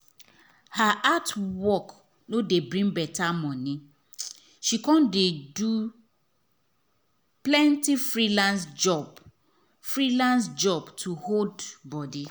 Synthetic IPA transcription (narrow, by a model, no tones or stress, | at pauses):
haʔatwɔk | nodebɹĩŋbɛtamɔ̃ni | ʃikɔ̃ndedu | plɛ̃ntifɹilãnsd͡ʒɔb | fɹilãns̬d͡ʒɔbtʰuhodbɔdi